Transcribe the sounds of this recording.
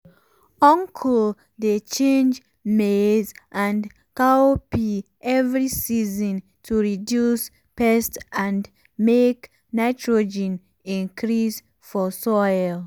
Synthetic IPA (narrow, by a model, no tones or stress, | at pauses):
ɔ̃ŋkʰɔl | det͡ʃẽnd͡ʒ | mezʔãn | kaopi | ɛvɹisizɔ̃n | tʰuɹidjus | pɛstãn | mek | naɪtʰɹod͡ʒɛ̃n | ĩnkʰɹis | fɔsɔɪl